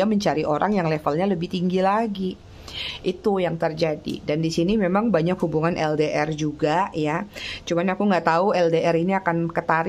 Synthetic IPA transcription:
aməɲt͡ʃaɾiʔoɾʔa̰ŋjaŋlefəlɲaləbɪht̪iŋɡilaɡi | ʔit̪ujaŋt̪ərd͡ʒadḭdandisinimemaŋbaɲakhubuŋanʔɛldeʔɛrd͡ʒuɡajat͡ʃumanakuŋɡaʔt̪auɛldeɛɾiniakankət̪aɾ

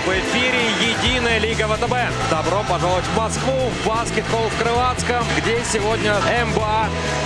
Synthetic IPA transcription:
vɪfʲiɾʲɪjɪdʲinəjəlʲiɡəvət̪ɛbɛ | d̪ɐbɾopɐʐalˠətʲvmɐskvuvbaskʲɪt̪bolˠfkɾɨlˠat̪skəmɡdʲesʲɪvodʲnʲəɛmba

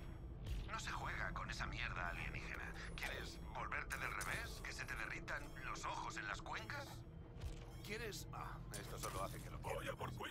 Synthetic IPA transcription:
no̞se̞xwe̞ɣ̞ako̞ne̞samje̞ɾða̰alɣje̞̰nḭxe̞̰na̰ | kje̞ɾe̞z | βo̞lβe̞ɾt̪e̞ðe̞lreβe̞ske̞se̞t̪e̞ðe̞rit̪an | lo̞so̞xo̞se̞nlaskwe̞ŋkas | kje̞ɾes | a̰ | est̪osoloaθekelopojapoɾ

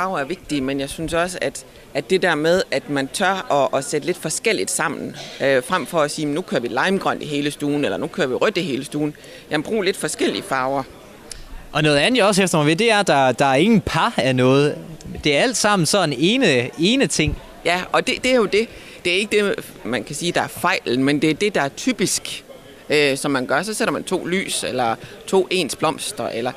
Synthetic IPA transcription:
fɑ̈ʊɐæɐʋe̝ɡ̥̚d̥imenjɑ̈ɪsynsɒ̽səæd̥ | ʔæ̥e̝d̥ɛɐmeð̞ˠæd̥mænt͡sʰɶɐ̰ɒ̽ʔːsed̥əle̝d̥fɒ̽sɡ̥el̰id̥sɑ̈m̰n̩øfʁam̰fɒ̽æsiːem̩nukʰøːɐʋilɑ̈ɪmɡ̥ʁœn̰d̥eɦe̝ːləsd̥uːn̩elɐnukʰøːɐʋiʁœd̥eɦe̝ːləsd̥uːn̩ | jæmbʁṵːle̝d̥fɒ̽sɡ̥el̰ḭəfɑ̈ːʊɐ | ʔɒ̽nɔ̽ːð̞̩ˠænð̩djɒ̽sefd̥ɐʁɒ̽mʋid̥e̝æɐd̥ɑ̈d̥ɑ̈æɐe̝ŋn̩pʰɑænɔ̽ːð̞̩ˠd̥e̝æɐæl̰d̥sɑ̈m̰n̩sɒ̽n̩eːnəe̝ːnət͡sʰe̝ŋ̰ | jæɒ̽d̥e̝d̥e̝æɐjo̝d̥e̝ | d̥e̝æɐe̝ɡ̥əd̥e̝ | mænkʰæsiːd̥ɑ̈æɐfɑ̈ɪ̰ln̩mend̥e̝æɐd̥e̝d̥ɑ̈æɐt͡sʰyːb̥isɡ̥ | øsɒ̽mːænɡ̥ɶɐsɒ̽seɾɐmænt͡sʰo̝̰ːly̰ːselɐ | t͡sʰo̝̰ːʔe̝̰ːnsb̥lɒ̽m̰sd̥ɐʔelɐ

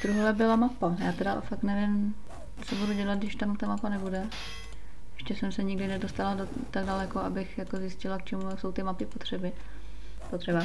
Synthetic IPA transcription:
d̪ɾuɦolɛbɪlamapajaːt̪ɛdafaknɛvɪm | t͡sobuduɟɛlat̪dɪʃt̪amut̪amapanɛbudɛ | ʔɛʃcɛsɛmsɛɲɪɡdɪnɛdo̞st̪aladot̪aɡ̚dalɛkoʔabɪxjakozjɪscɪlak̚t͡ʃʰɛmujakso̞wt̪ɪmapɪpo̞t̪r̥ɛbɪ | pot̪r̥ɛba

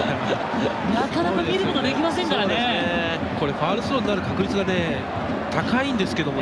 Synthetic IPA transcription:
ja | nat̪onakɯmiɾɯmot̪od̪ekʲimasẽ̞ŋkaɾaneese | ko̞ɾe̞ɸaːɾɯ̟sɨɾõ̞ninaɾɯ̟kakɯ̟ɾʲit͡sɨɡane̞ | t̪akaĩnd̪e̞sɨ̥ke̞d̪o̞mo

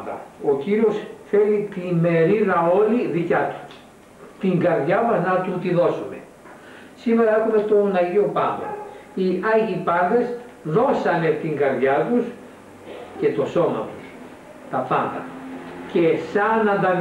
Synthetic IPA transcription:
d̪ɐ̰o̞ciɾio̞sθe̞lit̪ime̞ɾiðɐo̞liðicɐt̪u̥ | t̪iŋɡɐɾðʝɐmɐznɐt̪ut̪iðo̞sume̞̰ | sime̞ɾɐekumet̪o̞nɐʝio̞pɐ̰nd̪ɐ̰iɐʝipɐnðe̞s | ðo̞sɐne̞t̪iŋɡɐɾðʝɐt̪us | ce̞t̪o̞so̞mɐ̰t̪u̥s | t̪ɐpɐnd̪ɐ̰ce̞sɐnɐnd̪ɐ

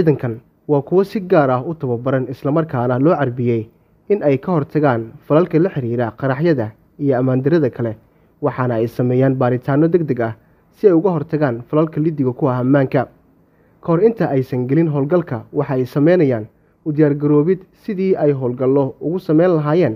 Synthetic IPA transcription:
iːðɐŋkʰɐn | wɑːkʰʊwɐsɪɡaːɾɐɦʊt̪ʰɐβɐbɐɾɐnɪslɐmɐrkʰaːnɐlɔːʕɑrbɪjɛj | ɪnɛjkʰɐɦɔrt̪ʰɐɣaːnfɐlɐlkʰɐlɐħɪɾiːɾɐqɑɾɑħjɐðɐ | ijɔɐmaːnd̪ɪɾɐðɐkʰɐlɛ | wɑħɑnɐɛjsɐmɛːjaːnbaːɾɪt̪ʰaːnɔd̪ɛɡd̪ɐɡɐh | sɪɛjʊɣɐɦɔrt̪ʰɐɣaːnfɐlɐlkʰɐlid̪ɪɣɐkʰʊɐɦɐmːaːŋkʰɐ | kʰɐɦɔɾɪnt̪ʰɐʔɛjsɐŋɡɛlɪnɦɔːlɡɐlkʰɐwɑħɑɛjsɐmɛjnɐjaːn | ʊd̪ɪjaːrɡɐɾɔːβɪd̪sɪðiːɛjɦɔːlɡɐlɔʊɣʊsɐmɛjnlɐɦaːjɛːn

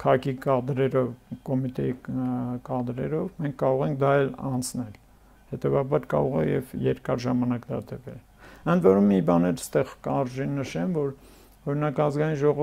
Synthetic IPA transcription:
kʰɑkikɑd̪ɾɛɾɔvkɔmit̪ɛjikɑd̪ɾɛɾɔvmɛŋkʰkːɑɾɔʁɛŋk̚ʰd̪ɑɛlɑ̰nt͡sʰnɛl | hɛt̪ɛvɑbɑɾkɑ̰ɾɔʁɛ̰jɛ̰vjɛɾkɑɾʒɑmɑnɑkd̪ɑ̰d̪ɛvɛ̰l | ənd̪vɔɾumːibɑnɛɾst̪ɛʁkəɑɾʒinːəʃɛmvɔɾ | ɔɾinɑkɑzɡɑjinʒɔʁɔ

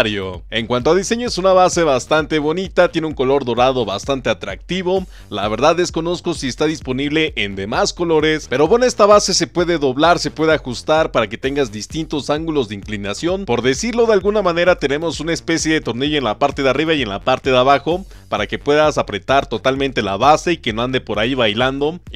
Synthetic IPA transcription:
ɾjo̰e̞ŋkwant̪oaðise̞ɲoesunaβase̞βast̪ant̪e̞βo̞nit̪at̪jeneuŋko̞lo̞ɾðo̞ɾað̞o̞βa̰st̪ant̪e̞at̪ɾa̰k̚t̪iβo̞ | la̰βe̞ɾðaðe̞sko̞no̞sko̞siest̪aðispo̞niβle̞ʔend̪e̞masko̞lo̞ɾe̞spe̞ɾo̞βene̞st̪aβase̞se̞pwe̞ðe̞ðo̞βlaɾse̞pwe̞ð̞eaxust̪aɾpaɾake̞t̪e̞ŋɡazðist̪int̪o̞saŋɡulo̞zðeiŋklinasjo̞npo̞ɾðe̞siɾlo̞ðe̞alɣunamãne̞ɾat̪e̞ne̞mo̞sunaespe̞sje̞ðe̞t̪o̞ɾneʝoenlapaɾt̪e̞ðeariβaje̞nlapaɾt̪e̞ðeaβaxo̞ | paɾake̞pwe̞ðasapɾe̞t̪aɾt̪o̞t̪almẽnt̪e̞laβase̞ikenoand̪e̞po̞ɾaiβajland̪o̞

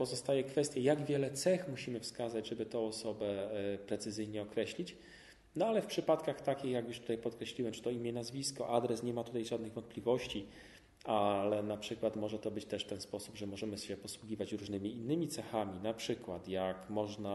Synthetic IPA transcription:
pɔzɔst̪ajɛkfɛst̪ʲjɛjaɡvʲjɛlɛt̪sɛxmuɕimɘfskazad͡ʑʐɛbɘt̪ɔ̃ɔsɔbɛpɾɛt̪sɘzɘjɲɛɔkɾɛɕlʲit͡ɕ | nɔalɛfpʂɘpat̪kaxt̪akʲixjakjuʂt̪u̥t̪ajpɔt̪kɾɛɕlʲiwɛmt͡ʂɘ̥t̪ɔimʲjɛnazvʲiskɔʔad̪ɾɛsɲɛmat̪ut̪ajʐad̪nɘɣvɔnt̪̚plʲivɔɕt͡ɕi | alɛnapʂɘkwat̪mɔʐɛt̪ɔbɘt͡ɕt̪ɛʂft̪ɛnspɔsubʐɛmɔʐɛmɘɕɛpɔswuɡʲivat͡ɕɾuʐnɘmʲiːnːɘmʲit̪sɛxamʲinapʂɘkwat̪jakmɔʐna

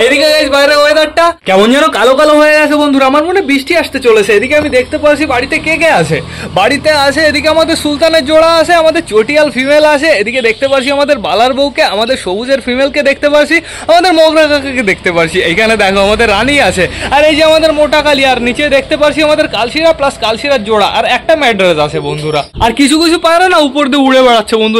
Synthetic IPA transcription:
ed̪ikeɡajʃbajɾeɦoed̪aʈːakɛmond͡ʑanokalokaloɦoeɡat͡ɕʰebond̪ʱuɾamaɾmonebɾiʃʈʰiaʃt̪et͡ɕolet͡ɕʰeed̪ikeamid̪ek̚ʰt̪epaɾt͡ɕʰibaɽit̪ekekeat͡ɕʰe | baɽit̪eat͡ɕʰeed̪ikeamad̪eɾsult̪aneɾd͡ʑoɽaaʃʰeamad̪eɾt͡ɕoʈialfʰimelaʃʰeed̪iked̪ekʰt̪epaɾt͡ɕʰiamad̪eɾbalaɾbowkeamad̪eɾʃobud͡ʑeɾfimelked̪ek̚ʰt̪epaɾt͡ɕʰi | amad̪eɾmɔɡɾakakaked̪ek̚ʰt̪epaɾt͡ɕʰiejkʰaned̪ɛkʰoamad̪eɾːaniat͡ɕʰeaɾed͡ʑiamad̪eɾmoʈakaliaɾnit͡ɕed̪ek̚ʰt̪epaɾt͡ɕʰiamad̪eɾkalʃiɾaplaskalʃiɾad͡ʑoɽaʔa̰ɾɛk̚ʈamɛɖɾezat͡ɕʰebond̪ʱuɾaaɾkit͡ɕʰukit͡ɕʰupaɾanaupoɾd̪iuuɽebɛɽatːɕʰebond̪uɾ

